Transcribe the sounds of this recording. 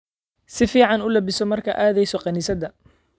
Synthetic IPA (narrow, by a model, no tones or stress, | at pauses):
sɪfiːʕɑnʊlɐbɪsɔmɐrkʰɐʔaːðɛjsɔqɑniːsɐd̪ɐ